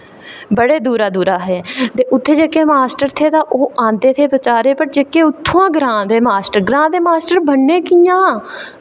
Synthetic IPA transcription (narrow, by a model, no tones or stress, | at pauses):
bəɽeːd̪uːɾaːd̪uːɾaːɦɛːt̪eːʔʊt̪ʰːeːd͡ʒekːeːmaːsʈəɾt̪ʰeːt̪ãːʔoːãːnd̪eːt̪ʰeːpət͡ʃaːɾeːpəʈ̚d͡ʒeːkːeːʊt̪ʰːoãːɡɾãːd̪eːmaːsʈəɾɡɾãːd̪eːmaːsʈəɾbəɳːẽːkijãː